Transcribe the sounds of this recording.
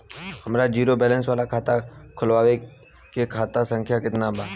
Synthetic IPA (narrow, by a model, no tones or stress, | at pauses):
hɐmɾad͡ʒiːɾobɛːlə̃nsʋaːlakʰaːt̪akʰʊlʋaːʋe | kekʰaːt̪asə̃ŋkʰjakɪt̪naba